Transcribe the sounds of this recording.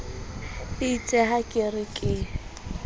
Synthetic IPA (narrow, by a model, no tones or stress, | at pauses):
ɪit͡sʼɛɦakʼɪrɪkʼɪ